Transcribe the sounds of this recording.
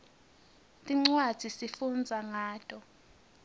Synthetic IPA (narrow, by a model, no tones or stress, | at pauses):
tʼiŋ͡ǀwad̥z̥ʱisifund͡zʱaŋaːtʼɔ